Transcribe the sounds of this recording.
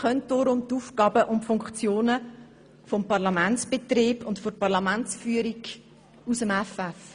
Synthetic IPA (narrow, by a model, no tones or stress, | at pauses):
χœnt̚d̥ɔːɾʊmt̪uːfkɑːbəʔʊntfʊŋkχt͡sjoːnə | fɔmpɑʁlɑmænt͡sb̥et̪reːbʊntforpɑʁlɑmæntt͡sfyːəɾiɡ | usəmɛfɛf